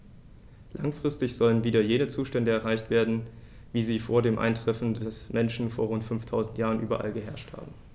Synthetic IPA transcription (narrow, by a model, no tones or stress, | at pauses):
lʔa̰ŋfʁ̥ɪstɪçz̥ɔlənviːdɐjeːnət͡suːʃtɛndəɛɐʁaɪçtv̥eːɐdn̩ | viːziːfoːɐdeːmʔa̰ɪntʁ̥ɛfn̩dɛsmʔɛnʃn̩foːɐʁʊntfʏnftʰaʊzn̩tjaːʁənʔyːbɐʔa̰lɡəɦɛɐʃtha̰ːbm̩